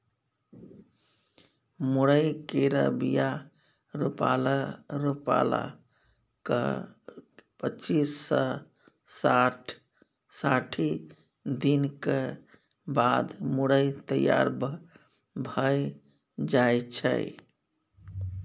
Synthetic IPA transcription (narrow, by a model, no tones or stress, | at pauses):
muɽəjkeɾə̰bija | ɾupa̰laɾupa̰la̰ | kə | pət͡ʃisːə | saʈʰ | saʈʰi | d̪inke | bad̪muɽəjt̪əja̰ɾb | bʱəj | d͡ʒajt͡ʃʰə̰j